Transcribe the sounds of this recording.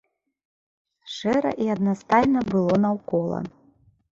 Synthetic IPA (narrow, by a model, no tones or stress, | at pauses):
ʂɛɾɐ̰ʔiɐd̪nast̪ajnɐbɨlˠɔnɐwkɔlˠɐ̰